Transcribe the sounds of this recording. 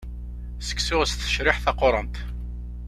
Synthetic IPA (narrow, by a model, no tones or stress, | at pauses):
sə̥kːsʊʁəsθθə̥ʃɾɪħθɑqoɾˤɑnt̪